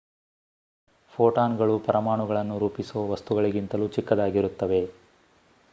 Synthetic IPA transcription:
pʰoːʈaːnɡɐɭupɐɾɐmaːɳuɡɐɭɐnːuɾuːpisuʋɐʋɐst̪uɡɐɭiɡint̪ɐlut͡ʃikːɐd̪aːɡiɾut̪ːɐʋe̞

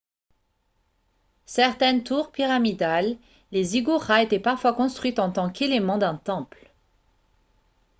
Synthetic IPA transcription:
sɛʁt̪ɛnt̪uʁpiʁamid̪alː | eziɡuʁaet̪ɛpaʁfwakɔ̃st̪χɥit̪ɑ̃t̪ɑ̃kelemɑ̃d̪ɛ̃t̪ɑ̃pl

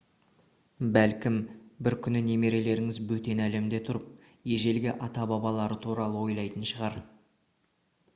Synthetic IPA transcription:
bælkʲɪmbɪɾkʲʰʏnɪne̞me̞ɾe̞le̞ɾɪŋɪzbɵt̪e̞næle̞md̪e̞t̪ʰʊɾəp̚ | je̞ʒe̞lɡʲɪʔɑt̪ɑbɑbɑlˠɑɾət̪ʰuɾɑlˠəwo̞jlˠɑjt̪ənʃəʁɑɾ

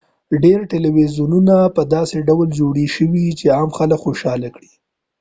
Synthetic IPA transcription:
ɖeɾʈɪliwizjununapəd̪ɑseɖawld͡ʒoɽiʃəwit͡ʃeamxaləkxoʃɑlakɽi̥

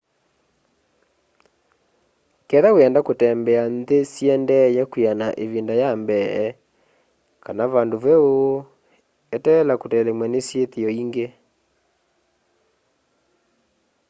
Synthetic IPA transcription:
kɛðawɛndakotɛmbɛanðesjɛndɛjɛkwianaʔeβindajambɛɛ | kanaβandoβɛo | etɛlakotɛlemwɛnesjeteɔiŋɡe

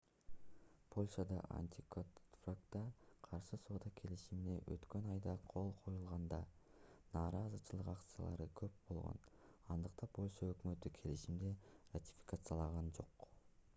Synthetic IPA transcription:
pʰo̞lʲʃad̪ɑ̰ʔa̰nʲt̪ʲikʰofrakt̪ɑqʰɑɾʃɯsod̪ɑkʲʰe̞liʃimine̞ʔø̰t̪kønɑjd̪ɑqʰo̞lˠqʰojulˠʁɑnd̪ɑnɑːɾɑzɯt͡ʃɯlˠɯqakt̪sɨja̰lˠɑ̰ɾɯkʰøp̚bo̞lˠʁo̰nɑnd̪ɯqt̪ɑpʰo̞lʲʃaøkmø̞t̪ykʲʰe̞liʃimd̪erat̪ʲi̥fʲi̥kat̪sɨjalˠɑʁɑnd͡ʒo̞̰q

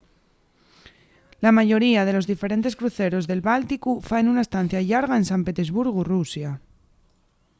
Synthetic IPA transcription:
lamaʝo̞ɾiað̞e̞lo̞zðife̞ɾe̞nt̪eskɾuθe̞ɾo̞zðe̞lβalt̪ikufaenunaest̪an̟θjaʎaɾɣ̞ae̞nsampe̞t̪e̞zβuɾɣurusja

